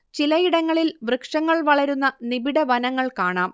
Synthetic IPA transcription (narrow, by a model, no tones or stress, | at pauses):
t͡ɕilɐjiɽɐŋːɐɭilbrɨkʂɐŋːɐɭʋɐɭɐɾunːɐnibiɽɐʋɐnɐŋːɐɭkaːɳaːm